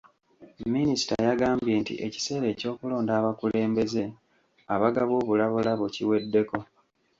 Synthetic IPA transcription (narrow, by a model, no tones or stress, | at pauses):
minisi̥ta̰jaɡaːmbje̞ːntḭʔe̞ci̥se̞ːɾe̞ːco̞ːkulo̞ːndaːβakule̞ːmbe̞ze̞ | aβaɡaβwo̞ːβulaβulaβociwe̞dːe̞ko̞